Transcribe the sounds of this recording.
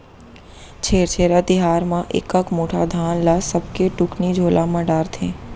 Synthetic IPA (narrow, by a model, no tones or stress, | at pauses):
t͡ʃʰeːɾt͡ʃʰeːɾat̪ɪɦaːɾmãʔḛkəkmoːʈʰad̪ʱaːnlasɐb̚keʈʊknid͡ʒʱoːlamãɖaːɾt̪ʰḛ̃ː